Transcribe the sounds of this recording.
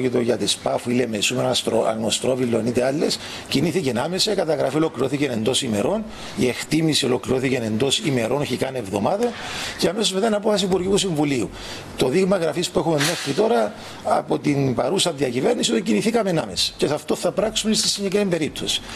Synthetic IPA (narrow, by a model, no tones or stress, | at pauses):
cit̪oʝɐt̪espɐfuilemesumeɾst̪ɾoɐ̰nost̪ɾovilːonit̪eɐlːe̞s | ciniθicename̞sekɐt̪ɐɣɾɐfio̞lo̞kliɾoθicenend̪o̞sime̞̰ɾo̞n | ie̞xt̪imisio̞lo̞kliɾo̞θicene̞nd̪o̞sime̞ɾo̞noçikɐne̞vðo̞mɐðɐceɐme̞so̞zmet̪ainɐpo̞fɐs̬iːpuɾʝiut̪usiɱvuliu | t̪o̞ðiɣmɐɣɾɐfispuexumemːexɾit̪o̞ɾɐ | ɐ̰pot̪inpɐɾusɐðiɐcive̞ɾnisiot̪iciniθikɐme̞nɐme̞se̥cesɐft̪oθɐpɾɐksumeist̪isːiɲɟekɾiimbeɾip̚t̪osi̥